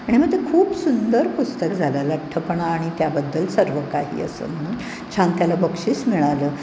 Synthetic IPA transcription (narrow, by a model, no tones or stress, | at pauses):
aɽ̃iməɡ̚t̪ekʰuːpsund̪əɾpust̪əkd͡zʱalaləʈʰːəpəɳaːɽ̃it̪jabəd̪ːəlsəɾʋəkaɦḭːə̰sə̰ːm̤əɽ̃uːn | t͡ɕʰãŋkjalabəkʂiːsmiɭaləː